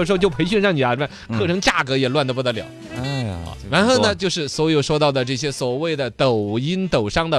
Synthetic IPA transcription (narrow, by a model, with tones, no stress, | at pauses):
ɻ̩˧˥˧t͡ɕjpʰe˧˥ɪɕy˥˧nɻɑ˥˩ŋni˨˩a˧˩˥kʰɤ˥˩ʈ͡ʂʰɤ˧˥ŋt͡ɕja˥˩kɤ˧˥jɛ˨˩lwa˥˩nd̪ə˩pu˧˥t̪ə˧˥ljɑ˨˩˦ʊ | ɻa˧˥nxo˥˩ʊnə˩t͡ɕjo˥˧ʊʂɻ̩˥˩swɔ˧˥jo˨˩ʊʂwɔ˥t̪ɑ˥˩ʊd̪ə˩ʈ͡ʂɤ˥˩ɕjɛ˥swɔ˨˩we˥˩ɪd̪ə˩t̪o˨˩ʊi˥nt̪o˨˩ʊʂɑ˥ŋd̪ə˨